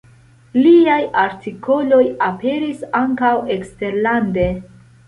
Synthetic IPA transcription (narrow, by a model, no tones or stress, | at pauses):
liajaɾtikʰo̞lo̞jape̞ɾisaŋkawe̞kste̞ɾlande̞